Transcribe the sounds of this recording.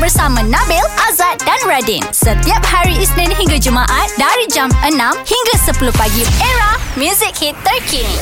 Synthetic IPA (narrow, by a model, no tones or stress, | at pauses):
bərsamãnãbɛlʔazat̪̚danɹadĩnsət̪iap̚haɾiisnɛ̃nɦiŋɡad͡ʒumãʔat̪̚daɾid͡ʒamʔənãmhiŋɡasəpuluhpaɡieɹamjuzik̚hit̪ːərkʰi